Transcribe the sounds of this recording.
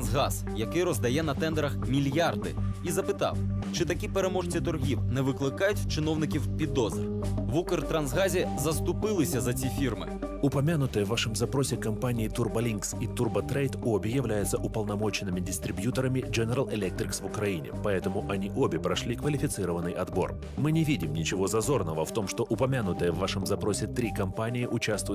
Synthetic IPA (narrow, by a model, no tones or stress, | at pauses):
nzɣɑz̥jɐkɪjɾɔzd̪ɐjɛnɐt̪ɛnd̪ɛɾɐxmʲilʲjard̪ɪ̰izɐpɪt̪ɑ̰wt͡ʃɪt̪ɐkʲipeɾemɔʐt͡sʲit̪ʊrɦʲiwnɛʋɪklˠɪkɑjʊtʲt͡ʃɪnɔwnɪkʲiwpʲid̪ːɔzɪrʋukɪrt̪ɾɐnzɣɑzʲizɐst̪ʊpɪlˠɪsʲɐzɐt͡sʲifʲirmɪ̰ | ʊpɐmʲanʊt̪ɨjɛʋːaʂɪmzɐpɾɔsʲɪkɐmpanʲijit̪urbɐlʲinksit̪urbət̪ɾɛjt̪obʲɪjɪvlʲæjʊt̪səʔʊpəlˠnɐmo̞t͡ɕɪnːɨmʲɪdʲɪst̪ɾʲɪbjut̪əɾəmʲɪd͡ʒɛnʲɛɾalˠɛlʲɛk̚t̪ɾʲɪksvʊkɾɐinʲɪ̰pɐɛt̪əmʊʔɐnʲiʔobʲɪpɾɐʂlʲikvəlʲɪfʲɪt̪sɨɾəvənːɨjɐd̪bo̞̰r | mɨnʲɪvʲidʲɪmnʲɪt͡ɕɪvo̞zɐzo̞rnəvəft̪o̞mʂt̪o̞ʔʊpɐmʲanʊt̪əjəvːaʂɨmzɐpɾo̞sʲɪt̪ɾʲikɐmpanʲɪɪʔʊt͡ɕast̪vʊj